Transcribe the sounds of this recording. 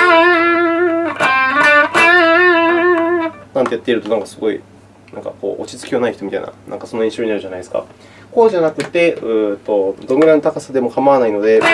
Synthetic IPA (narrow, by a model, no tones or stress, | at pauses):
nãnt̪e̞jat̪ːeiɾɯ̟t̪onãŋkasɨɡo̞ḭ | nã̰ŋka̰ko̞̰ːʔo̰t͡ɕi̥t͡sɨ̥kʲionaiçit̪omʲit̪aḭna̰nʔa̰ŋkaso̞noẽɕo̞ːɲinaɾɯ̟ʑanaid̪esɨ̥ka̰ | ko̞ːʑanakɯ̟t̪ːe̞ɯ̟ːt̪o̞d̪o̞miɾãnːot̪akasad̪e̞mo̞kamaβanaino̞d̪e̞